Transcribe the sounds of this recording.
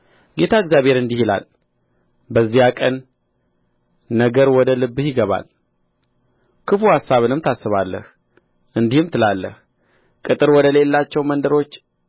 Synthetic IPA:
ɡe̞t̪ʰaɨɡzjaβhe̞ɾɨnd̪ihila̰l | bəzːijakʼən | əɡəɾwɔd̪əlɨbːhɪɡəβa̰l | kʰɨfuhasːaβɨnɨmt̪ʰasːɨβalːə̰h | ʔɨnd̪ihɨmt̪ʰɨlalːə̰h | kʼɨt̪ʼɨɾwɔd̪əle̞lːat͡ʃːɛwmənd̪əɾo̞t͡ʃː

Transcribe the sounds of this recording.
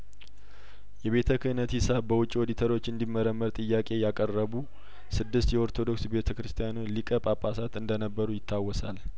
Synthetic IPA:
jɛβe̞t̪ʰəkʰɨnət̪hisabbəwʊt͡ʃʼːiwod̪it̪ʰəɾo̞t͡ʃːɨnd̪imːəɾəmːəɾt̪ʼɨjːakʼe̞jakʼərːəβu | sɨd̪ːɨst̪jɛo̞ɾt̪ʰo̞d̪o̞ksbe̞t̪ʰəkɾɨst̪ʰijanulikʼəpʼapʼːasat̪ɨnd̪ənəbːəɾujɪt̪ʰːawːɔsal

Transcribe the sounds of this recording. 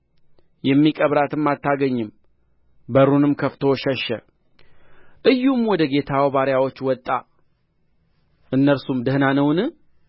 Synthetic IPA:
jɛmːikʼəβɾat̪ʰɨmːat̪ːaɡəɲːɨm | bəɾunɨmkʰəft̪ʰoʃɛʃːɛ̰ | ʔɨjːumwɔd̪əɡe̞t̪ʰawbaɾjawo̞t͡ʃːwɔt̪ʼːa | ʔɨnːəlsumd̪əhnanəwnɨ

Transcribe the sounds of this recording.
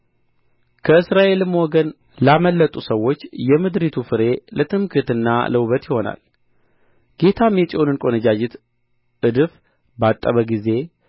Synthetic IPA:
kʰəɨsɾaʔe̞lɨmwɔɡən | laməlːət̪ʼusəwːo̞t͡ʃːjɛmɨd̪ɾit̪ʰufɨɾe̞lət̪ʰʼɨmkʰɨt̪ɨnːa̰ləwβət̪jɪho̞na̰l | ɡ̥e̞t̪ʰamjɛt͡ʃʼonɨnkʼo̞nəd͡ʒad͡ʒɪt̪ | ɨd̪ɨf | bat̪ʼːəβəɡize̞

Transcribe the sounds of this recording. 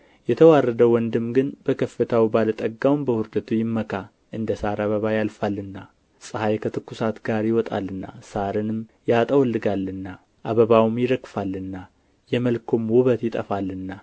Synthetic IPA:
jɛt̪ʰəwarːəd̪əwɔnd̪ɨmɡɨnbəkʰəfːɨt̪ʰawbalət̪ʼəɡːawmbəhʊɾd̪ət̪ʰujɪmːəkʰa | ʔɨnd̪əsaɾaβəβajalfalːɨnːa | sʼɨhajkʰət̪ʰɨkːusat̪ɡaɾjɪwɔt̪ʼa̰lːɨnːa̰saɾɨnɨmjat̪ʼəwɔlːɨɡalːɨnːa | ʔaβəβawmjɪɾəkfalːɨnːa | jɛməlkʰomwʊβət̪jɪt̪ʼəfalːɨnːa

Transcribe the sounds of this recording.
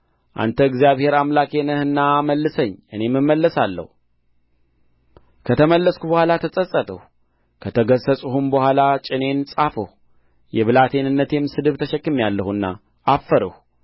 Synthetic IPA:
ʔa̰nt̪ʰəɡzijaβhe̞ɾamlake̞nəhɨnːaməlːɨsəɲːʔɨne̞mːɨmːəlːəsalːə̰hu | kʰət̪ʰəməlːəskubəhʷalat̪ʰəsʼəsʼːət̪ʰʼə̰hu | kʰət̪ʰəɡəsəsʼuhumbəhʷalat͡ʃʼɪne̞nsʼafəh | jɛβɨlat̪ʰe̞nɨnːət̪jɛmːsɨd̪ɨβt̪ʰəʃəkːɨmjalːəhuɨnːaː | fːəɾəhu

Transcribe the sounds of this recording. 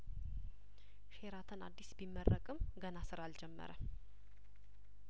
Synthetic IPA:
ʃeɾat̪ʰɨna̰d̪ːisbimːərːəkʼɨmɡənasɨɾald͡ʒɛmːə̰ɾə

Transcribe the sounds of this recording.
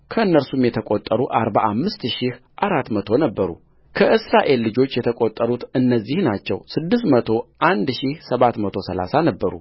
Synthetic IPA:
kʰəɨnːəɾsumjɛt̪ʰəkʼot̪ʼːəɾuʔaɾbaʔamːɨst̪ʃih | ʔaɾat̪mət̪ʰo̞nəbːəɾṵ | kʰəʔɨsɾaʔe̞lːɨd͡ʒo̞t͡ʃːjɛt̪ʰəkʼot̪ʼːəɾut̪ɨnːəzːihnat͡ʃːɛ̰wsɨd̪ːɨst̪mət̪ʰo̞ʔand̪ʃihsəβat̪mət̪ʰosəla̰sanəbːəɾṵ

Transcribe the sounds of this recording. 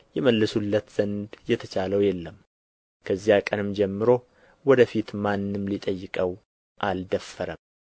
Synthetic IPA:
jɛməlːɨsulːət̪z̥ənd̪jɛt̪ʰət͡ʃaləwjɛlːəm | kʰəzijakʼənɨmd͡ʒɛmːɨɾo̞ | wɔd̪əfit̪manːɨmlit̪ʼəjːɪkʼəw | ʔald̪əfːəɾəm

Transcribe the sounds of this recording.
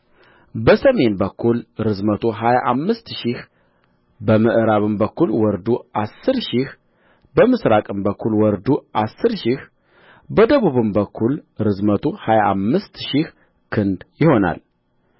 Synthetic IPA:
bəsəme̞nbəkʰːulɾɨzmət̪ʰuɦajaʔamːɨst̪ʃɪh | bəmɨʔɨɾaβɨmbəkʰːulwɔɾd̪uʔasːɨɾʃih | bəmɨsɾakʼɨmbəkʰːulwɔɾd̪uʔasːɨɾʃih | bəd̪əβuβɨmbəkʰːulɾɨzmət̪ʰuhajaʔa̰mːɨst̪ʃɪh | kʰɨnd̪jɪho̞na̰l

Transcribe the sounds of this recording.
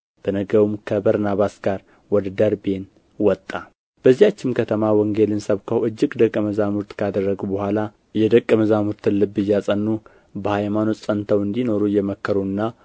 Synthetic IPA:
b̥ənəɡəwumkʰəbəɾnaβasɡaɾ | wɔd̪əd̪əɾbe̞n | wɔt̪ʼːa | b̥əzːijat͡ʃːɪmkʰət̪ʰəmawɔŋɡe̞lɨnsəβkʰəwɨd͡ʒːɪɡd̪əkʼːəməzamuɾt̪kʰad̪ərːəɡubəhʷala | jɛd̪əkʼːəməzamuɾt̪ʰɨnlɨbːɨjːasʼənːu | bəhajmano̞t̪ʼsʼənt̪ʰəwɨnd̪ino̞ɾujɛməkːəɾunːa

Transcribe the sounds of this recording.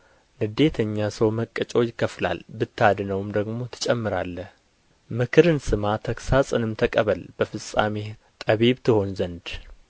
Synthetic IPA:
nɨd̪e̞t̪ʰəɲːasəwməkʼːət͡ʃʼo̞jɪkːəfla̰lbɨt̪ʰːad̪nəwmd̪əɡmo̞t̪ʰɨ̥t͡ʃʼɛmːɨɾalːəh | mɨkʰɨɾɨnsɨmat̪ʰəksasʼɨnɨmt̪ʰəkʼəβəlb̥əfɨsʼa̰me | t̪ʼəβiβt̪ʰɨho̞nzənd̪

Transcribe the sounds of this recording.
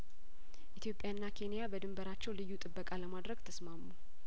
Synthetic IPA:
ʔit̪ʰjo̞pʼjanːakʰe̞nijabəd̪ɨmbəɾat͡ʃːɛwlɨjːut̪ʼɨbːəkʼaləmad̪ɾəɡt̪ʰəsmamːu

